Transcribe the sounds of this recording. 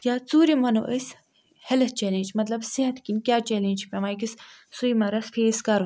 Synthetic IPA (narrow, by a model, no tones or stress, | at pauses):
jaːt͡suːɾimɐno̰ʔəs | hɐlɐtt͡ʃelẽːnʲd͡ʒmɐt̪lɐbsiɦɐt̪kinkʲjaːt͡ʃelẽːnʲd͡ʒpʲemaːjkissujmɐɾɐsfʰeːskɐɾ